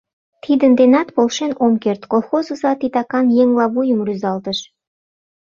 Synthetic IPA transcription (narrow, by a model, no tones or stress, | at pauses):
t̪ʰid̪ə̆nd̪enɑt̪polˠʃenomkert̪kolˠxozuzɑt̪it̪ɑkɑnjeŋlˠɑβujə̆mryzɑlt̪ə̆ʃ